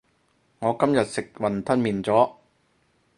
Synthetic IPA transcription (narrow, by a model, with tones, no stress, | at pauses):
ŋɔː˨˧kɐ˥mjɐ˨t̚sɪ˨k̚wɐ˨nt̪ʰɐ˥nmiː˨nt͡sɔː˨˥